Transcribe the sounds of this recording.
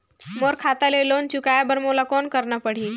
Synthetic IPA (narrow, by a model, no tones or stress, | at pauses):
moɾkʰat̪alelont͡ʃukajabəɾmolakɔnkəɾnapəɽ̤i